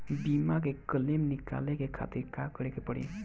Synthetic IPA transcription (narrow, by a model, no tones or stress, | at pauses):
bimakekəlemnika̰lekekʰa̰t̪iɾkakəɾekepəɽḭ̃